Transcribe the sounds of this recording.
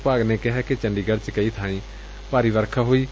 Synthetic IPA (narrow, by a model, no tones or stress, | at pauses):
paːɡneːkɪɦɛːket͡ʃəɳɖiːɡəɽt͡ʃkəiːt̪ʰãːĩː | paːɾiːʋəɾkʰaːɦoːiː